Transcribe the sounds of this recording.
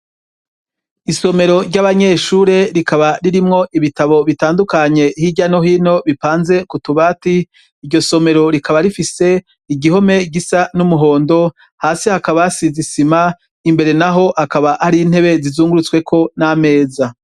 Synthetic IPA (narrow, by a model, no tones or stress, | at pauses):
iso̞me̞ɾo̞ɾɟaβaɲe̞ʃuɾe̞ɾikaβaɾiɾimŋo̞ʔiβitaβo̞βitaːndukaɲe̞hiɟano̞ɦino̞βipaːnze̞kutuβaːtiː | ɾɟo̞so̞me̞ɾo̞ɾikaβaɾifise̞ | iɡiɦo̞me̞ɡisanumuɦo̞ːndo̞ | haːsihakaβasizisima | imbe̞ɾe̞naɦo̞ʔhakaβahaɾin̥he̞βe̞zizuːŋɡuɾut͡swe̞kʰo̞name̞ːza